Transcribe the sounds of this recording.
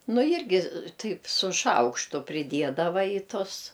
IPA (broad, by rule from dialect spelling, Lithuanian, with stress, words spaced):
ˈnʊ ˈjɪrʲɡʲɪ ˈtɐɪp sʊ ˈʃɐʊkʃtʊ pʲrʲɪˈdʲiɛdɐʋɐ iː ˈtʊs